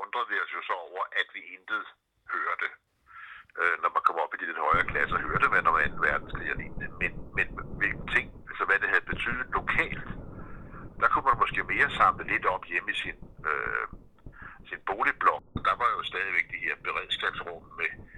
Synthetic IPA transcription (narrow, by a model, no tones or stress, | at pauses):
ɔ̽nd̥ʁɐðˠʋiɒlsjo̝sɒ̽ɒʊ̰ɐʔæd̥ʋiend̥ð̩ˠ | høːɐd̥e̝ | ønɒmænkʰɒ̽m̰ɒ̽b̥id̥ile̝d̥hɒ̽ɪɐːkʰlæsɐhøːɐd̥eʋænɒmænn̩ʋæɐd̥n̩sɡ̥ʰʁḭɐlḭːd̥emenmenʋe̝lɡ̥̚n̩t͡sʰe̝ŋ̰ælsɒʋæd̥e̝hɦæð̩ˠb̥e̝t͡sʰy̰ːð̩ˠlo̝kʰɛ̰ːld̥ | d̥ɑ̈kʰumænmɒ̽sɡ̥e̝̰ːme̝ːɐsɑ̈m̰ləle̝d̥ɒ̽b̥jemisinø | sinb̥o̝ːlib̥lɒ̽ɡ̥ɒd̥ɑ̈ʋɑ̈jo̝sd̥ɛːð̞ˠiʋeɡ̥̚d̥ihe̝ɐb̥e̝ʁɛð̰ˠsɡ̥ɛb̥sʁɔ̽m̰me